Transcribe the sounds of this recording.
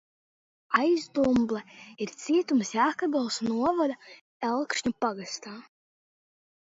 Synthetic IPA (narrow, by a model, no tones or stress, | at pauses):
ajzd̪umblˠɛiɾt̪sʲiɛt̪umsjaːkab̪ɛlˠsnuɔvɔd̪a | ɛlˠkʃɲupaɡast̪aː